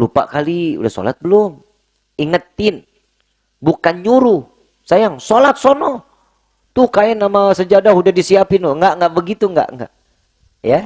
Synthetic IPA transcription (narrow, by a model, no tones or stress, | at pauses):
lupa̰ʔkaliṵdahso̰la̰t̪̚bəlʊm | iŋət̪ːɪn | bukanɲuɾu | sajaŋsolat̪̚sonɔ | t̪ukaɛnːamasəd͡ʒadaɦudahdisiapɪnoŋɡaʔŋɡaʔbəɡit̪uŋɡa̰ʔŋɡa̰ʔ | ja